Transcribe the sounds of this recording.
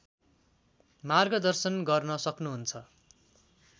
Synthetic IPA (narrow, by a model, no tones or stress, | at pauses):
marɡʌd̪ʌrsʌnɡʌrnʌsʌknuɦunt͡sʰʌ